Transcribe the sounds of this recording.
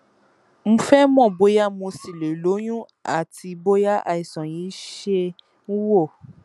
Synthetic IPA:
m̩̃˧˦fɛ˦mɔ̃˦˨bo˨˦ja˦mõ˧si˨le˨lo˨˦ɲũ˦ | a̰˨ti˧bo˦ja˦ʔa˧i˨sɔ̃˨ji˨˦ʃe˧ | nũ˦wo˦˨

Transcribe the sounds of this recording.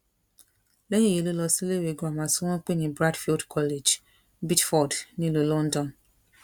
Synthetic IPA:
le˦ɲe˦˨je˨˦lo˦lɔ˧si˦le˦˨we˨˦ɡo˦a˨mã˨su˦ŋɔ̃˦k͡pe˦nĩ˨bɾa˦dfi˦ldkʰɔ˦le˨d͡ʒ | bi˦tfɔ˨dnĩ˦lu˨lɔ̃˦n̩˦dɔ̃˨n

